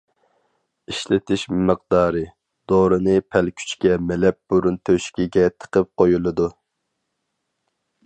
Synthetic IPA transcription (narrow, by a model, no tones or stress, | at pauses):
iʃlɪt̪ʰɪʃmɨq̚d̪ɑːɾɨ | d̪̥oːɾɨnɨpʰɛlkʲʰy̥t͡ʃkʲɛmɛlɛp̚b̥uɾunt̪ʰøʃkʲiɡʲɛt̪ʰə̥qəp̚qʰojulˠɨd̪u